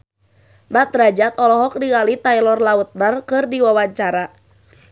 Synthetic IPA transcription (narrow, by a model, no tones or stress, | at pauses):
bat̪ɾad͡ʒat̪ɔlɔɦɔk̚diŋalit̪ajlɔrlaut̪̚nərkɨrdiwawaɲt͡ʃaɾa